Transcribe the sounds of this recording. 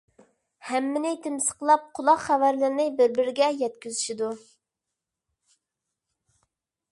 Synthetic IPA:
hɛmːɪnɪt̪ʰɪmsə̥qəlˠɑp̚qʰʊlˠɑqχævæɾlɪɾɪnɪbɪɾbɪɾɪɡʲɛjɛt̪̚kʲyzyʃid̪u

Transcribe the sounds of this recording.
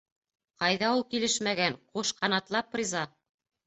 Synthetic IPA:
qɑjðɑulˠkilɘʃmæɡæŋquʃqɑnɑt̪lˠɑpːrʲizɑ

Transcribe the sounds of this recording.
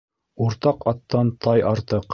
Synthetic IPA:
uɾt̪ɑqɑt̪ːɑnt̪ɑjɑɾt̪ɤq

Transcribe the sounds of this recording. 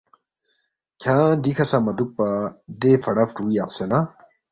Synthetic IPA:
kʰãd̪ikʰɐsãmɐd̪uk̚pad̪efʰɐɽɐfʈuijaqsena

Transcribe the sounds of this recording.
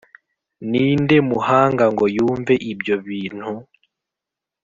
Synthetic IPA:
niːnde̞muhaːŋɡaŋɡo̞juːɱveʔibjo̞βiːn̥hu

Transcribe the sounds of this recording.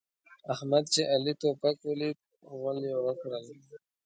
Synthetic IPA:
ahmad̪̚t͡ʃeʔalit̪opakwəli | wəljewəkɽəl

